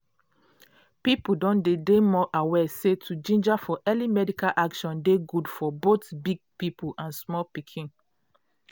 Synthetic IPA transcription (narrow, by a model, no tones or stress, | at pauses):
pipudɔ̃ndedemɔʔawɛsetʰud͡ʒĩnd͡ʒafɔʔɛlimɛdikalʔakʃɔ̃ndeɡudfɔbotbiɡ̚pipʰulãnsmɔlpikʰĩn